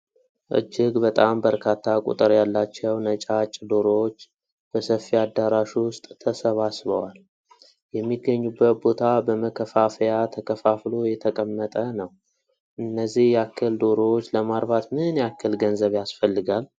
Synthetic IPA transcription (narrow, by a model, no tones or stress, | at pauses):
ʔɨ̰d͡ʒːɪɡbət̪ʼambəɾkʰat̪ʰːakʼṵt̪ʼɨɾjalːat͡ʃːɛwnət͡ʃʼat͡ʃʼːd̪oɾot͡ʃː | b̥əsəfːiad̪ːaɾaʃwʊst̪ʼt̪ʰːəsəβasβəwal | jɛmːiɡːəɲːubːət̪̚bo̞t̪ʰabəməkʰəfafəjat̪ʰəkʰəfaflojɛt̪ʰəkʼəmːət̪ʼənəw | ʔɨnːəzːihjɛakʰːəld̪o̞ɾot͡ʃːləmaɾbat̪mɨnjɛakːəlɡənzəβjasfəlːɨɡal